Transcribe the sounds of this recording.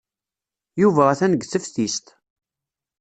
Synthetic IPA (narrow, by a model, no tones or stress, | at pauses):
juvææθænəɡθəfθist̪